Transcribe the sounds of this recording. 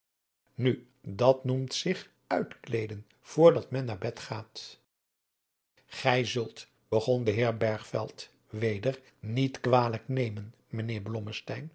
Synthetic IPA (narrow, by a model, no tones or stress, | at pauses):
ny | dɑtnumtsɪχ | œɥtklejdən | v̥ʊːɹdɑtmɛnːaːɹbɛtχaːt | χɛjzɵlˠt | b̥əχɔndəɦɪːɹbɛɹχfɛ̰lˠt | ʋejdəɹ | nitkʋaːləknejmən | mənɪːɹblɔməstɛjn